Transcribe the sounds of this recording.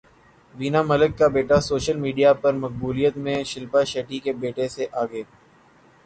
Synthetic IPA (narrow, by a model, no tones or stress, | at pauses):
ʋiːnamɐləkːabeːʈasoːʃəlmiːɖijapɐɾmɐk̚buːlijət̪mẽʃɪlpaʃeːʈikebeːʈeseʔaːɡeː